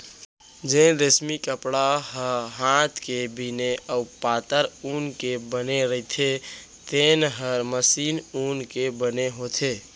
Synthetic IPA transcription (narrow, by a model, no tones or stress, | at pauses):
d͡ʒeɾesmikəpɽaɦəɦãt̪ʰkebʱineʔəupaːt̪əɾuːnkebəneɾəɦit̪ʰe | t̪enɦəɾməsiːnuːnkebəneɦot̪ʰeː